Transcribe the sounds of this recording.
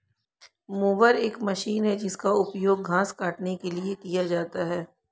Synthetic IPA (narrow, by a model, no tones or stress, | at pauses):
moːʋəɾeːkmɐʃiːnɦɛd͡ʒɪskaʊpjoːɡːʱãːskaːʈnekeliekijad͡ʒaːt̪aɦɛː